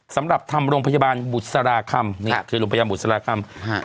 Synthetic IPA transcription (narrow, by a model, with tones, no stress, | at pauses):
sa˩˦mɾa˨˩p̚t̪ʰa˧mɾoː˧ŋpʰa˧ja˧baː˧nbu˨˩t̪̚sa˧ɾaː˧kʰa˧mniː˥˩kʰɯː˧ɾoː˧ŋpʰaː˧bu˨˩t̪̚sa˧ɾaː˧kʰa˧m